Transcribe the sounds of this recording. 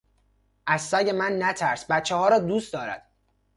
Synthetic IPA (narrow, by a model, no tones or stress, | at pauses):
ʔæzːæɟe̞mænːæt̪ʰæɾsbæt̪t͡ʃːehɒːɾɒːd̪uːst̪d̪ɒːɾæ̰d̪̥